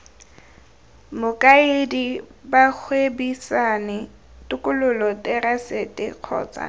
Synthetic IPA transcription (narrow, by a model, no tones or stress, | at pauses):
mʊkʼaɪdibak͡xʰwebisanɪ | tʊkʼʊlʊlɔtʼɛrasetʼɪ̰q͡χʰɔ̰ːt͡sʼa̰